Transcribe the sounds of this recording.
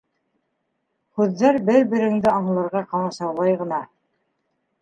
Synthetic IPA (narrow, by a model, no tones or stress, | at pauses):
hʉðːæɾbɘɾbɘ̆ɾɘ̆ŋd̪ɘɑmlˠɤ̆ɾʁɑqɑlˠɑsɑwlˠɑjʁɤ̆nɑ